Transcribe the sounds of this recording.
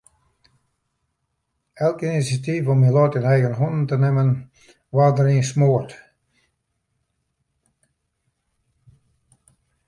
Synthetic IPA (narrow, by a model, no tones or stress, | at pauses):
ɛlˠkinisjativɔmilɔːtɪnɛjɣənɦɔndn̩tənɪmən | wadəɾiːnsmoət